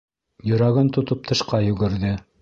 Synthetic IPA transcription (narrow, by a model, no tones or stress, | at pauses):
jɵ̆ɾɑɡɤnt̪ŏt̪op̚t̪ʰɤ̆ʃqɑjʉ̆ɡɘ̆ɾðɘ